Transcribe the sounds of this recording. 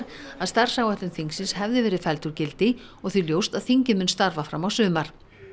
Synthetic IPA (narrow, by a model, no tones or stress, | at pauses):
ɾ | aðst̪aɾ̥sawaht̪ɪmθiŋksɪnshɛvðɪvɛːɾɪðfɛlt̪ʏɾcɪlt̪ɪ | ɔɣθyljowst̪aðθiɲcɪmʏnst̪aɾvafɾa̰mawsʏːmaɾ̥